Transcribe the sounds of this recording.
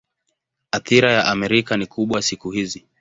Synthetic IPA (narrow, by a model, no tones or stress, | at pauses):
aθiɾajaʔamɛɾikanikuɓwasikuhizi